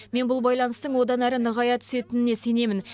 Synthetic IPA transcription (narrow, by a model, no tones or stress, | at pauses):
me̞nbʊlˠbɑjlˠɑnəst̪əɴwo̞d̪ɑnæɾənəʁɑjɑt̪ʰʏ̥se̞t̪ɪnɪne̞se̞ne̞mɪn